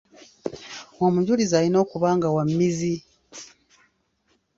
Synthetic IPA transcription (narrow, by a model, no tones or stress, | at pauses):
womuɟulizaːlino̞ːkuβaːŋɡawamːizi